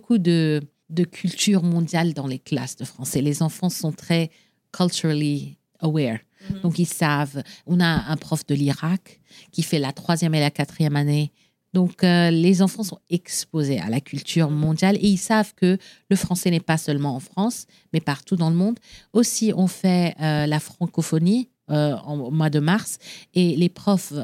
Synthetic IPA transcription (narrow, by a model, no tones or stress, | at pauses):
bokud̪ə | d̪əkʲʰylt̪yʁmɔ̃d̪jald̪ɑ̃lekla̰sd̪əfχɑ̃sɛlezɑ̃fɑ̃sɔ̃t̪χɛ | kʰylt̪yʁali | əwɛʁ | d̪̥ɔ̃kilsavɔ̃naɛ̃pχɔfd̪əliʁak | kʲːifɛlat̪χwazjɛmelakat̪χijɛmane | d̪ɔ̃kølezɑ̃fɑ̃sɔ̃ɛkspozea̰lakʲʰylt̪ʰyʁmɔ̃d̪jaleilsavkələfχɑ̃sɛnɛpasœlmɑ̃ɑ̃fχɑ̃s | mɛpaʁt̪ud̪ɑ̃ləmɔ̃d̪osiʔɔ̃fɛølafχɑ̃kɔfɔni | øɑ̰̃mwad̪əmaʁselepχɔf